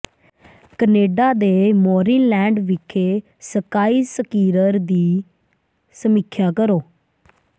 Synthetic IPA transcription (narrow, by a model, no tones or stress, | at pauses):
kəneːɖaːd̪eːmɔːɾinlɛ̃ːɳɖʋɪkʰeː | səkaːiːsəkiːɾəɾd̪iː | səmɪkʰjaːkəɾoː